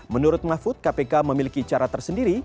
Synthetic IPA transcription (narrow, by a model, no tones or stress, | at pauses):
mənuɾʊt̪̚mafʊt̪̚kapekaməmilikit͡ʃaɾat̪ərsəndiɾi